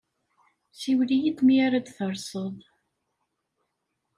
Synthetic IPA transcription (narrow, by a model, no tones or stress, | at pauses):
siwlijik̪miaɾad̪θəɾˤsˤəðˤ